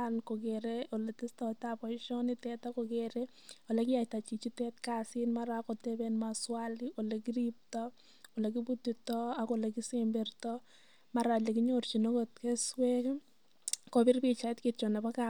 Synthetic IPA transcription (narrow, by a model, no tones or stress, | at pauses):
ankoɡeɾeʔoletistatapɔʃonɪtɛtakoɡeɾe | olekɪjajtat͡ʃit͡ʃitɛtkasɪnmaɾakotebenmaswaliʔolekiɾip̚tɔ | olek̬ibutitɔakolekisembertɔ | maɾalekiɲort͡ʃinokotkeswek | kobɪrpit͡ʃaɪtkɪt͡ʃonabaka